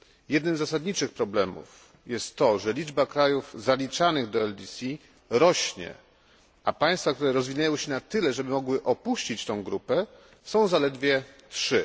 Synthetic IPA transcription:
jɛd̪nɘmzːasad̪ɲit͡ʂɘxpɾɔblɛmṵf | jɛst̪ːɔʐɛlʲid͡ʐbakɾajufzalʲit͡ʂanɘɣd̪ɔɛld̪ʲisʲi | ɾɔɕɲɛ̰ | ʔapaj̃st̪fak̚t̪uɾɛɾɔzvʲiɲajɔ̃wɕɛnat̪ɘlɛʐɛbɘmɔɡwɘʔɔpuɕt͡ɕit͡ɕt̪ɔ̃w̃ɡɾupɛ | sɔ̃w̃zalɛd̪vʲjɛtʂɘ

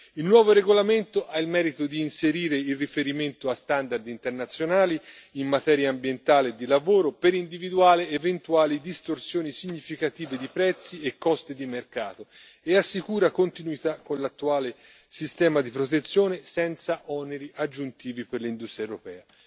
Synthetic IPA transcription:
ilnwɔːvoɾeɡolament̪oʔailmɛːɾit̪od̪iːnseɾiːɾeilrːifeɾiment̪oast̪and̪ard̪int̪ernat̪sːjonaːliimːat̪ɛːɾjaːmbjent̪aːled̪ilavoːɾopeɾind̪ivid̪uaːleːvent̪uaːlid̪ist̪orsjoːnisiɲːifikat̪iːved̪ipɾɛt̪sːiekːɔst̪id̪imerkaːt̪o | easːikuːɾakont̪inuit̪akːonlat̪ːuaːle | sist̪ɛːmad̪ipɾot̪et̪sːjoːnesɛnt̪saʔɔneɾiʔad͡ʒːunt̪iːviperlind̪ust̪ɾjaewɾopɛ̰ːa

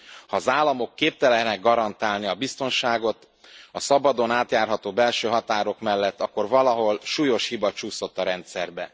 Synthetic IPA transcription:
hɒːzaːlːɒmo̞kːeːp̚t̪ɛlɛɦnɛɡːɒɾɒnt̪aːlniɒbist̪o̞nʃaːɡo̞t̪ | ɒsɒbɒd̪o̞naːt̪jaːrɦɒt̪oːbɛlʃøːɦɒt̪aːɾo̞kmɛlːɛt̪ːɒkːo̞rvɒlɒɦo̞lʃuːjo̞ʃhibɒt͡ʃuːso̞t̪ːɒɾɛnt̪sɛrbɛ

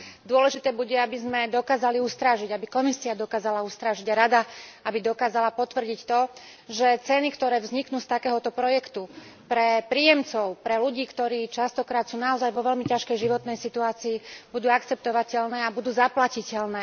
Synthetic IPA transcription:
d̪ʊɔlɛʒit̪ɛːbuɟɛabizmɛd̪ɔkaːzaliust̪ɾaːʒiɟabikɔmisiad̪ɔkaːzalaust̪ɾaːʒiɟaɾad̪aabid̪ɔkaːzalapɔt̪ʋr̩ɟict̪ɔ | ʒɛt͡sɛnikt̪ɔɾɛːvzɲiknuːst̪akɛːɦɔt̪ɔpɾɔjɛkt̪u | pɾɛpɾiːjɛmt͡sɔʊpɾɛluɟiːkt̪ɔɾiːt͡ʃast̪ɔkɾaːt̪suːnaɔzajʋɔʋɛlmicaʃkɛjʒiʋɔt̪nɛjsit̪uaːt͡siːb̥ud̪uːakt͡sɛp̚t̪ɔʋacɛlnɛːabud̪uːzaplacicɛlnɛː

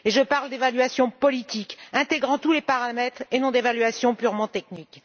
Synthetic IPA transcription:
eʒəpaʁld̪evalɥasjɔ̃pɔlit̪ikɛ̃t̪eɡʁɑ̃t̪ulepaʁamɛt̪χenɔ̃d̪evalɥasjɔ̃pyʁmɑ̃t̪ɛknik

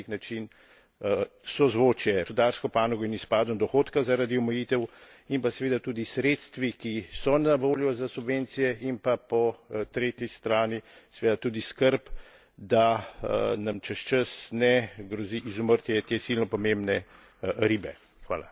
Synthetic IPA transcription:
iknat͡ʃin | sɔzʋoːt͡ʃjɛd̪aɾskɔpaːnɔɡɔinispaːd̪ɔnd̪ɔxoːt̪kazaɾad̪iɔmɛjiːt̪ɛw | impasɛʋeːd̪at̪uːd̪isɾeːt̪st̪ʋikisɔnaʋoːljɔzasubʋeːnt̪sijɛʔimpapɔt̪ɾeːt̪jist̪ɾaːnisɛʋeːd̪at̪uːd̪iskəɾp | d̪a | nɐmt͡ʃəʃt͡ʃəsnɛɡɾɔziʔizuməɾt̪jɛt̪esilnɔpɔmembnɛ | ɾibɛ | xʋa̰ːla̰

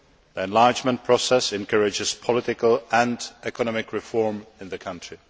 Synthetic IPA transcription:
ðiɛ̃nlɑɹd͡ʒmə̃npʰɹ̥ɔsɛsɛ̃nkʰʌɹɪd͡ʒɪz̥pʰɔlɪtɪkəlˠə̃ndʔɛkənɔmɪkʰɹɪfɔɹmɪ̃nðɨkʰʌ̃ntɹ̥i

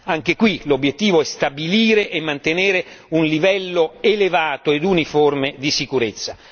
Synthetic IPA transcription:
aŋkekwilobːjet̪ːiːvoɛst̪abiliːɾeʔemːant̪eneːɾeunlivɛlːoelevaːt̪oed̪uniformed̪isikuɾet̪sːa

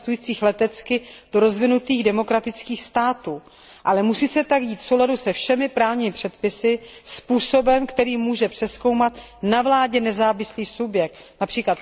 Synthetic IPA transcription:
st̪ujiːt͡siːxlɛt̪ɛt͡skɪd̥oɾo̞zvɪnut̪iːɣdɛmo̞kɾat̪ɪt͡skiːxst̪aːt̪uː | ʔalɛmusiːsɛt̪akɟiːt̪fsowladusɛfʃɛmɪpɾaːvɲiːmɪpr̝̥ɛt̪pɪsɪspuːso̞bɛmkt̪ɛɾiːmuːʒɛpr̥ɛsko̞wmat̪ | navlaːɟɛnɛzaːvɪsliːsubjɛk̚t̪ | napr̥iːklat̪

